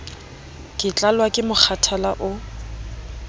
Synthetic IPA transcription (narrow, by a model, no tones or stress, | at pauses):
kʼɪt͡ɬʼalwakʼɪmʊk͡xʰatʰalaʔʊ